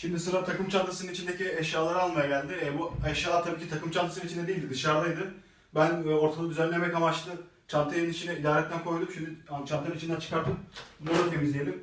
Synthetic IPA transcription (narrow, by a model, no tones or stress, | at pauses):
ʃimd̪isɯɾat̪ʰakɯmt͡ʃʰant̪ʰɯsɯnɯnit͡ʃind̪eciɛʃjaːlˠaɾalˠmajaɟælʲd̪ɪɛbuɛʃjaːat̪ʰabiːcʰit̪ʰakɯmt͡ʃʰant̪ʰɯsɯnɯit͡ʃʰind̪ɛd̪eilʲd̪id̪ɯʃaɾlˠajd̪ɯ | bænːo̞ɾt̪ʰad̪ˠad̪yzænlʲe̞mɛkamat͡ʃt̪ˠɯ | t͡ʃʰant̪ʰɯjnɯnit͡ʃʰinɛid̪aːɾɛt̪lːænkʰo̞jd̪umʃimd̪iat͡ʃʰant̪ɯanɯnit͡ʃind̪ænt͡ʃʰɯ̥kaɾt̪ʰɯmb̪ulˠat̪ʰe̞mizlʲejelʲim